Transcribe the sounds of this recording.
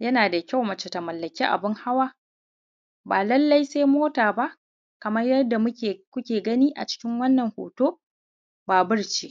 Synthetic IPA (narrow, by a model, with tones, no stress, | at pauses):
jɐ˦naː˨da˨kʲa˦˨wmɐ˨t͡ʃe˨tɐ˨mɐ˨lːɐ˨kʲiː˦ʔa̰˨bɪ˦ŋha˦waː˦ | baː˨lɐ˦lːɐ˦jse˦jmoː˦taː˨ba˦ʔ | kɐ˨mɐ˦rjɐ˦da˨mʊ˦e˨kʷʊ˦kʲeː˨ɡɐ˦niː˦ʔa̰˨t͡ʃɪ̥˦kʲɪ˦ŋwɐ˦nːɐ˨ŋho̰ː˨toː˦ | baː˨bɪ˦ɽt͡ʃi˦